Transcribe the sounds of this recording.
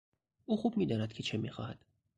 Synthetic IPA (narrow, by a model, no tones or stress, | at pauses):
uːxub̚miːd̪ɒːnæd̪̥̚kcʰe̞t͡ʃʰe̞miːxɒ̰ːhæd̪̥